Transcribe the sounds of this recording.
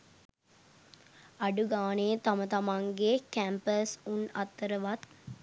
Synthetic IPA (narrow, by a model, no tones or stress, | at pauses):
aɖuɡaːnet̪amət̪amaŋɡekæmpəsunat̪ːəɾəʋat̪